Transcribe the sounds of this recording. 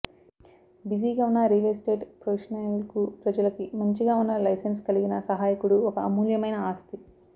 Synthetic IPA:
bisiːɡaːunːɐɾileːsʈeːɖpɾɐʋiʂɐnɐjlkupɾɐd͡ʒɐlɐkimɐɲt͡ʃiɡaːunːɐlɐjsenskɐliɡinɐsɐɦaːjikuɽuɔkɐːmuːljɐmɐjnɐaːst̪i

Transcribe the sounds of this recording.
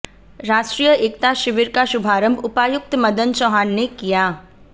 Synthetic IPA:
ɾaːʃʈɾijəʔeːkt̪aʃɪʋɪɾkaʃʊbʱaːɾə̃mbʱʊpaːjʊk̚t̪mɐd̪ənt͡ʃɔːɦaːnːekijaː

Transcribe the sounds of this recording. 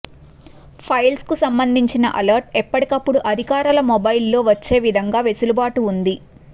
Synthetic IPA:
pʰɐjlskusɐmbɐnd̪ʱiɲt͡ʃinɐ̰ʔɐlɐɾʈɛpːɐʈikɐpːuɽuʔɐd̪ʱikaːɾɐlɐmobɐjilːo̞ːʋɐt͡ʃːe̞ːʋid̪ʱɐŋɡaːʋesulubaːʈuːnd̪i

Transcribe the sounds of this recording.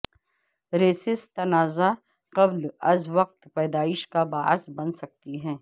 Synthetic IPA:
ɾeːsɪst̪ɐnaːza | qɐblɐzʋɐq̚t̪pɛːd̪aːɪʃkabaːsbɐnsɐk̚t̪iɦɛ̃ː

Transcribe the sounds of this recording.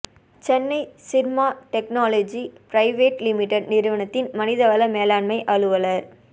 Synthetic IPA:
t͡ʃɛnːɐɪsɪɾmaːʈɛk̚naːlɐd͡ʒipɾɐɪʋeːʈlɪmɪʈːɛɖnɪɾɯʋɐnɐt̪ːɪnmɐnɪðɐʋɐlɐmeːlaːɳmɐɪʔɐɻɯʋɐlɐɾ

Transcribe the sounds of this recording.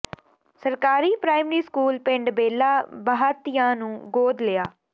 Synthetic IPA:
səɾkaːɾiːpɾaːɪmɾiːskuːlpɪ̃ɳɖbeːlaːbəɦaːt̪ɪjãːnũːɡoːd̪lɪjaː

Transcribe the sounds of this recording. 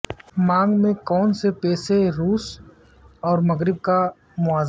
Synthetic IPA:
mãːŋɡmẽkɔːnsepɛːseɾuːs | ɔːɾmɐɣɾɪb̚ka | mʊaːz

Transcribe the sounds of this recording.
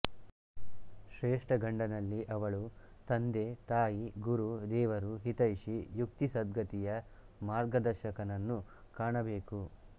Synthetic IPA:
ʃɾeːʂʈɐɡɐɳɖɐnɐlːiʔɐʋɐɭut̪ɐnd̪e̞t̪aːjiɡuɾud̪ɛːʋɐɾuɦit̪ɐiʃijukt̪isɐd̪ɡʱɐt̪ijɐ | maːɾɡɐd̪ɐɾʃɐkɐnɐnːukaːɳɐbe̞ːku

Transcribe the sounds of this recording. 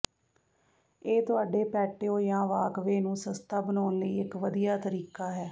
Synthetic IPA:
eːt̪ʊaːɖeːpɛːʈːeːõːjãːʋaːkʋeːnũːsəst̪aːbənoːnləiːɪkʋəd̪ijaːt̪əɾiːkaːɦɛː

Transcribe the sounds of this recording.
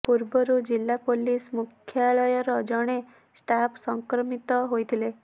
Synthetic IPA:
puɾbɔɾud͡ʒilːapolismukʰjaɭɔjɔɾɔd͡ʒɔɽ̃e | sʈapsɔŋkɾɔmit̪ɔɦojt̪ʰile

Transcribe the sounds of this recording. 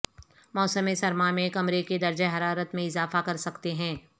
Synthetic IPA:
mɔːsəmesɐɾmamẽkɐmɾeked̪ɐɾd͡ʒeɦɐɾaːɾət̪mẽɪzaːfakɐɾsɐkt̪eɦɛ̃ː

